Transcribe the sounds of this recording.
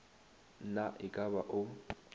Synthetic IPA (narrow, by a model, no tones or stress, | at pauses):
naʔɪkʼaβaʔʊ